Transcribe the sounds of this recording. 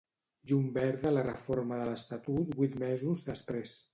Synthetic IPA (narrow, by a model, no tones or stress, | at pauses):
ʒumbɛɾðələrəfoɾməðələst̪at̪ut̪bwit̪mɛzuzðəspɾes